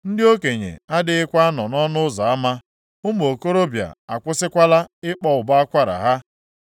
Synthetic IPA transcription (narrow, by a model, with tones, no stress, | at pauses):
n̩˦dɪ˦o˦ke˨ɲḛ˨a˦dɪ˦ɪ˦kʷa˦a˦nɔ˨nɔ˦nʊ˦zɔ˨a˦ma˦ | ʊ˦m˨o˨ko˦ɾo˦bja̰˨a̰˨kʷʊ˦sɪ˦kʷa˦la˦ɪ˦k͡pɔ˦ʊ˨ba˦a˦kʷa˦ɾa̰˨ɦa˦